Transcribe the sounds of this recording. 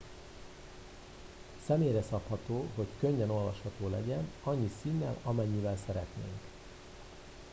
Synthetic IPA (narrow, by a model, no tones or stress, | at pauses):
sɛmeːɾɛsɒphɒt̪oːɦo̞ckø̞ɲːɛno̞lvɒʃhɒt̪oːlɛ̰ɟɛnɒɲːisinːɛ̰lɒmɛɲːivɛlsɛɾɛt̪nḛːŋk